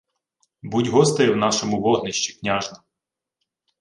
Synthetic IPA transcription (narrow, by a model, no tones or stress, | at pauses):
butʲɦɔst̪ɪjɛwn̪ɑʃɔmʊʋɔɦnɪʃt͡ʃi̥knʲaʒnɐ